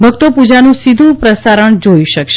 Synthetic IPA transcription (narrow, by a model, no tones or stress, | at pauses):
bʱəɡ̚t̪opud͡ʒanũsid̪ʱũpɾəsaɾəɳd͡ʒoiʃəkʃ